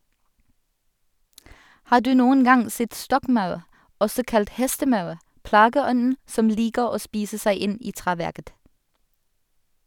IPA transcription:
ˈhɑːʁ ˈdʉː ˈnuːən ˈɡɑŋ ˈsɛt ˈstɔkˌmɑʉʁ ˈɔsɔ ˈkɑlt ˈhɛstəˌmɑʉʁ ˈplɑːɡəˌɔnn̩ ˈsɔm ˈliːkəʁ ˈoː ˈspiːsə ˈsæɪ ˈɪn ˈiː ˈtʁeːˌʋæʁkət

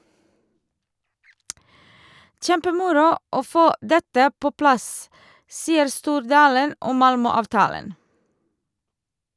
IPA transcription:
ˈçɛmpəˌmʊɾʊ ˈoː ˈfoː ˈdɛtə ˈpoː ˈplɑs ˈsiːəɾ ˈstuːɾdɑːlən ˈɔm ˈmɑlmœˌɑːʋtɑːlən

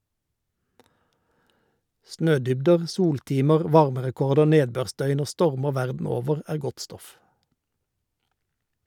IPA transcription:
ˈsnøːˌdʏbdəʁ ˈsuːlˌtiːməʁ ˈʋɑʁməʁɛˌkɔʁdə ˈneːdˌbøːʁˌsdœʏn ˈoː ˈstɔʁməʁ ˈʋæʁdn̩ ˈoːʋəʁ ˈæːʁ ˈɡɔt ˈstɔf

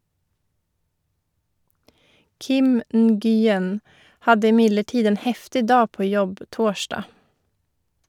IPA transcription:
ˈkɪm n̩ɡyːˈjɛn ˈhɑdə ɪˈmɪdləˌʈiːd ˈeːn ˈhɛftɪ ˈdɑː ˈpoː ˈjɔb ˈtoːˌʃɖɑː

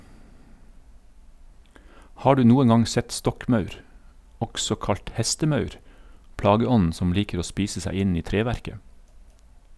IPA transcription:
ˈhɑː ˈɖʉː ˈnuːən ˈɡɑŋ ˈsɛt ˈstɔkˌmɑʉɾ ˈɔksɔ ˈkɑʎt ˈhɛstəˌmɑʉɾ ˈplɑːɡəˌɔnn̩ ˈsɔm ˈliːkəɾ ˈoː ˈspiːsə ˈsæ ˈɪn ˈiː ˈtɾeːʋæɾkə

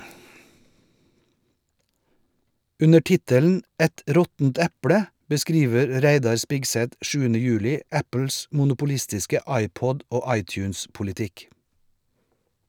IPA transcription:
ˈʉnə ˈʈɪtəln̩ ˈæt ˈɾɔtn̩t ˈæpɽə bəˈskɾiːʋəɾ ˈɾæɪdɑɾ ˈspɪɡsɛt ˈʃʉːənə ˈjʉːlɪ ˈæpl̩s mʊnʊpʊˈlɪstɪskə ˈɑɪˌpɔd ˈoː ˈɑɪˌtjʉːnspʊlɪˌtɪk

